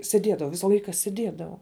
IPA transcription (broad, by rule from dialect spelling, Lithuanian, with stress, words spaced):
sʲeːˈdʲiɛdɐʋɐʊ ˈʋʲɪsɐ ˈlˠɐɪkɐ sʲeːˈdʲiɛdɐʋɐʊ